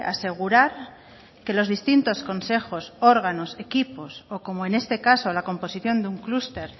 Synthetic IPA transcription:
a̰se̞ɣ̞uɾaɾ | ke̞lo̞zðist̪int̪o̞sko̞nse̞xo̞so̞ɾɣ̞ano̞se̞kipo̞soko̞moene̞st̪e̞kaso̞lako̞mpo̞siθjo̞nd̪euŋklust̪e̞ɾ

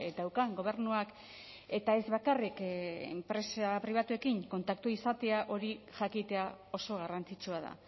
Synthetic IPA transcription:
ed̪awkaŋɡo̞β̞e̞ɾnuak | e̞t̪ae̞zβakarikḛmpɾe̞sapɾiβ̞at̪ue̞kiŋko̞nt̪akt̪uisat̪e̞aʔo̞ɾiʝakit̪e̞ao̞so̞ɣ̞arant͡sit͡ʃuað̞a̰

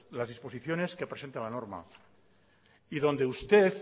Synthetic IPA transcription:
lazðispo̞siθjo̞ne̞skepɾese̞nt̪alanoɾma̰ | iðo̞nd̪e̞ust̪eθ

